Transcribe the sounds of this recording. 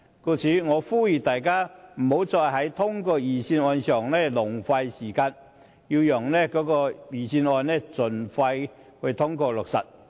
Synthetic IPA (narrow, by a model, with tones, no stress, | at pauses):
ko˧t͡sʰiː˨˥ŋɔː˨˧fuː˥ji˨t̪aː˨jkaː˥m̩˨˩ho˨˥wt͡sɔː˧jɦɐ˨˥jt̪ʰʊ˥ŋkɔː˧jiː˨˩siː˧nɔː˧nsœː˨˩ŋlɛ˥lʊ˨˩ŋfɐ˧jsiː˨˩kaː˧n | ji˧wjʊ˨˩ŋlɛ˥kɔː˨˥kɔː˧jiː˨˩siː˧nɔː˧nnɛː˥˩t͡sɵ˨˩nfa˧j | hɵ˧t̪ʰʊ˥ŋkɔː˧lʊ˨k̚sɐ̰˨˩t̚